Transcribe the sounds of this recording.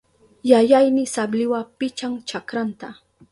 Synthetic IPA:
jajajnɪsablɪwapɪt͡ʃaŋt͡ʃakɾant̪a

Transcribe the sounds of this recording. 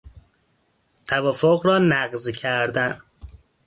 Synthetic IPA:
t̪ʰævɒːfoɣɾɒːnæɢzcʰæɾd̪æn

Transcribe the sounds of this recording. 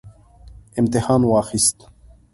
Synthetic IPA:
imt̪ihaːnwaːxist̪

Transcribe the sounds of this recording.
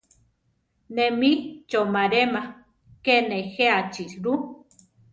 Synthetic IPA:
nemit͡ʃomaɾema | kenexeat͡ʃisɾu

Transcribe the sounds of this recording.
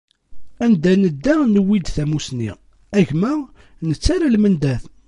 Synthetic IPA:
ænd̪ænəd̪ːænəwid̪θæmusnḭ | æʝmæ | nət͡sːaɾalmənd̪æθ

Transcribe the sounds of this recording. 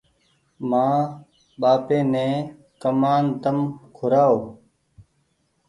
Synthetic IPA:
mãː | ɓaːpẽːnẽː | kəmaːnt̪əmkʰʊɾaːoː

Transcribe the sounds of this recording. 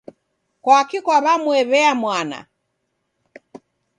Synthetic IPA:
kwaːkikwaβamuɛβɛamwana̰

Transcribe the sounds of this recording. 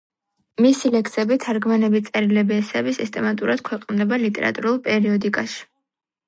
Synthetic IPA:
misilɛkʰsɛbit̪ʰaɾɡmanɛbit̪sʼɛɾilɛbiɛsɛbisist̪ʼɛmat̪ʼuɾad̪̥̚kʰwɛqʼnd̪ɛbalit̪ʼɛ̰ɾa̰t̪ʼuɾulˠpʼɛɾiɔd̪ikʼaʃi̥

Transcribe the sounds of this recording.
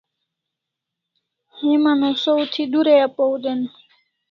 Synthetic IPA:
himanosout̪ʰid̪uɾejapowd̪en

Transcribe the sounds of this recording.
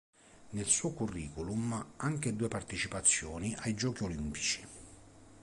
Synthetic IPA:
nelsuːkurːiːkolumaŋk̟ed̪uːepart̪et͡ʃipat̪sːjɔːniʔajd͡ʒɔːk̟iolimpi̥t͡ʃi̥

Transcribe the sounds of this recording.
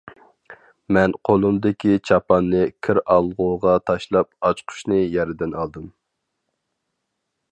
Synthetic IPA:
mɛnqʰolˠumd̪ɪkʲit͡ʃʰɑpɑnːɨkʲʰɪɾɑlˠʁuʁɑt̪ʰɑʃlˠɑp̚ɑt͡ʃqʰʊ̥ʃnɨjɛɾɪd̪ɪnɑlˠd̪ɨm

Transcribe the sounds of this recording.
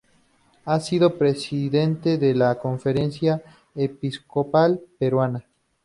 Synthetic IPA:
asiðopɾesiðe̞nt̪eðelakoɱfeɾensja | episkopalpeɾwana

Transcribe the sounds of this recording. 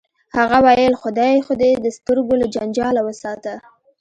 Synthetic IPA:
haɣawajəlxʊd̪ɑjxod̪ed̪əst̪əɾɡolad͡ʒand͡ʒɑlawəsɑt̪ə

